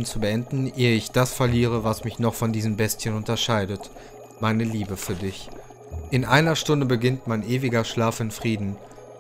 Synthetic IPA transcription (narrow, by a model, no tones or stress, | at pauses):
nt͡subəɛndn̩ʔeːəɪçd̥asfɛɐliːʁ̞əvasmɪçnɔχfɔndiːzəmbɛstçənʊntɐʃaɪdət | maɪnəliːbəfyːɐdɪç | ʔɪnʔaɪnɐʃtʊndəbəɡɪntmaɪnʔeːvɪɡɐʃlaːfɪnfʁ̥iːdn̩